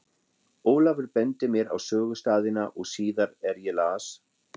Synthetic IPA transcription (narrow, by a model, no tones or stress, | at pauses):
oːwlavʏɾpɛnt̪ɪmjɛɾa̰wsœːɣʏst̪aːðɪnaʔɔɣsiːðaɾɛɾjɛlaːs